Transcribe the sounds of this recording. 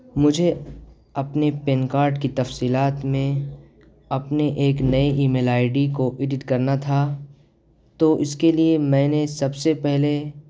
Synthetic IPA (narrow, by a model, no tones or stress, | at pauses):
mʊd͡ʒʱe | ɐpnepenkaːɾʈkit̪ɐfsiːlaːt̪mẽ | ɐpneʔeːknɐiʔiːmeːlaːɪɖikoʔɪɖɪʈkɐɾnat̪ʰa | t̪oʔɪskeliemɛ̃ːnesɐbsepɛɦle